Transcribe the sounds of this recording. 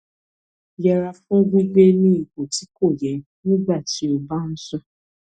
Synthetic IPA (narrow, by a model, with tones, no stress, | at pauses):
jɛ˨ɾa˨fɔ̃˦ɡu˦ɡ͡be˦nĩ˦i˨ko˨ti˨˦ko˦˨jɛ˨ | nĩ˦ɡ͡ba˦˨ti˨˦o˨ba˦n̩˦sɔ˦